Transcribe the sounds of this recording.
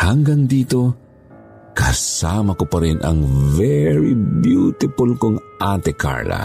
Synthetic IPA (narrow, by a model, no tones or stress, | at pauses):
hɐŋɡand̪iːt̪o̞ | kɐsaːmɐkopɐɾɪnʔɐ̰ŋvɛɹibjut̪ɪpʊlkoŋʔat̪ɛka̰ɹla̰